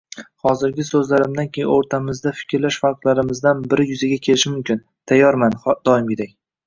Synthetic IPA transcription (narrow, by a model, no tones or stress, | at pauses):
hɒzɪɾɡʲɪsɵzlaɾɪmd̪ankʲʰejɪ̰noɾt̪ʰamɪzd̪afɪ̥kʲʰɾlaʃfaɾqlˠaɾɪmɪzd̪anbɪɾɪjʊzɪɡʲakʲʰe̞lɪʃɪmʊmkʲɪn | t̪ʰajːɒɾmand̪ɒɪmɡʲɪd̪ak̚ʲ